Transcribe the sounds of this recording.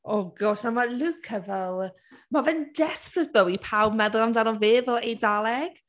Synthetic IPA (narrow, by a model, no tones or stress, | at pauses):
ɔɡɔsamalukʰəvɛlˠ | mavɛnd͡ʒɛsprəsbəwipʰawbmɛðʊlˠamdanɔvɪːvɛlˠejdalˠɛɡ̥